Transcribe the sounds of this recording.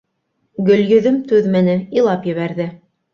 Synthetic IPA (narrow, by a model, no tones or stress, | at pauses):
ɡɵ̆ljɵ̆ðɵmt̪ʉðmɘ̆nɘilˠɑpjɘ̆βæɾðɘ